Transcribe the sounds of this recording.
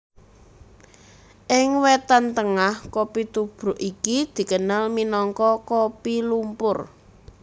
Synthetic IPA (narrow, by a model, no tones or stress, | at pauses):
ʔɪŋwɛt̪ant̪əŋahkopit̪ub̥ɾʊ̤ʔikid̪̥i̤kənalminɔŋkɔkopilumpʊr